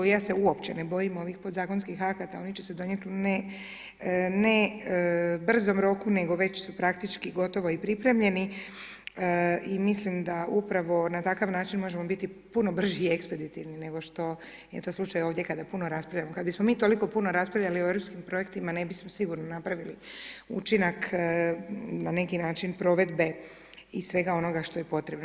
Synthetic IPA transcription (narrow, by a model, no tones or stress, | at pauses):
ojaːse̞uo̞pt͡ɕenebo̞jimo̞ʋixpod̪zaːko̞nskixakat̪ao̞nit͡ɕese̞d̪o̞ɲet̪ne | ne | br̩zo̞mɾo̞kune̞ɡo̞ʋe̞t͡ɕsupɾakt̪it͡ʃkiɡo̞t̪o̞ʋo̞ipɾipɾe̞mʎe̞ni | imislimd̪aupɾaʋo̞nat̪akaʋnaːt͡ʃinmo̞ʒe̞mo̞bit̪ipuno̞br̩ʒiiekspe̞d̪it̪iʋnine̞ɡo̞ʃt̪o̞ | jet̪oslˠut͡ʃajo̞ːʋd̪ʲje̞kad̪apuno̞ɾaspɾavʎʲjamo̞kad̪bismo̞miːt̪o̞liko̞puno̞ɾaspɾavʎʲalioevɾo̞pskimpɾo̞je̞kt̪imane̞bismo̞siɡuɾnonapɾaʋiliṵt͡ʃinak | nane̞kinaːt͡ʃinpɾo̞ʋe̞d̪be̞ | isʋe̞ɡao̞no̞ɡaʃt̪ojepo̞t̪ɾe̞bn